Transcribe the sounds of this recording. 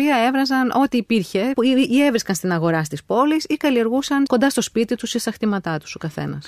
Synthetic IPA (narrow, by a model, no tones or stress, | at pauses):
iɐevɾɐzɐnʔo̞t̪iːpiɾçe̞iie̞vɾiskɐnst̪inɐɣo̞ɾɐst̪ispo̞lisikɐlieɾɣusɐnko̞nd̪ɐst̪o̞spit̪it̪usest̪ɐxt̪imɐt̪ɐt̪u̥sokɐθe̞̰nɐ̰s